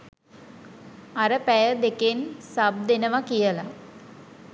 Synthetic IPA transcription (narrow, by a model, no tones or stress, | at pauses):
aɾəpæjəd̪ekensab̚d̪enəʋakijəla